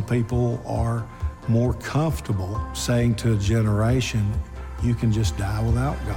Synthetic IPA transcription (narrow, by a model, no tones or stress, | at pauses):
pʰipl̩ˠə˞mɔɹkʰʌ̃ɱftə˞bl̩ˠseɪɪ̃ŋtʰɨːd͡ʒɛnə˞eɪʃɨ̃njɨkʰɨ̃nd͡ʒʌsd̥aɪwəðaʊt̚ɡ̥